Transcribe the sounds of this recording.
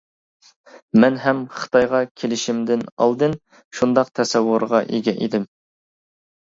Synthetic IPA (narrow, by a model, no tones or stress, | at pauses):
mɛnɦɛmχə̥t̪ʰɑjʁɑkʲʰelɪʃimd̪ɪnɑ̰lˠd̪ɨn | ʃund̪ɑq̚t̪ʰɛsɛwːʊɾʁɑʔeɡʲɛʔed̪ɪm